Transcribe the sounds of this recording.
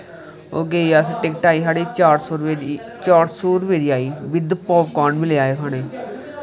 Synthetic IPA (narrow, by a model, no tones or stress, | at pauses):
oːɡeːiːaːsʈekʈaːiːɦaːɽiːt͡ʃaːɾsoːɾʋe | t͡ʃaːɾsuːɾʋeːɾiːaːiːbɪd̪pɔːpkaːnbileːaːeːkʰaːneː